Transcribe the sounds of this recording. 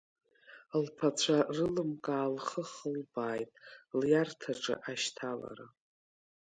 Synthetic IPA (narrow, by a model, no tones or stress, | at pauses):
lpʰat͡ɕʷʰarɨlɨmkʼaːlχəχəlbaːjtʼljartʰaʈ͡ʂʼɨ̰ʔaʃtʰala̰ɾa